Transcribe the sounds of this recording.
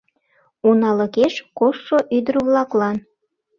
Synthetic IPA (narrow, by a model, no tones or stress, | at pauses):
unɑlə̆keʃkoːoʔyd̪əɾβlɑklɑn